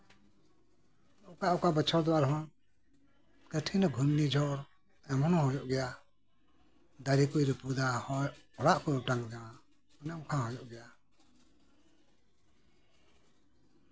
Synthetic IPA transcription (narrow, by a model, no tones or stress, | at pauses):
ɔkaʔɔkabət͡ʃʰɔɾd̪ɔaɾɦɔn | kəʈʰinɔɡʱunnid͡ʒʱɔɾ | ɛmɔnɔ̃ɦɔjɔʔɡɛja | d̪aɾikujɾɛpud̪aɔɽaʔkɔɔʈaŋd͡ʒawa | ɔnɛɔmkʰãɦɔjɔʔɡɛja